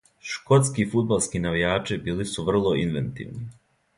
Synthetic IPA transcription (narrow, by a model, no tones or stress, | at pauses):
ʃko̞t̪skifud̪̚balˠskinaʋijaːt͡ʃibiːlisuʋr̩lˠoinʋent̪ḭʋni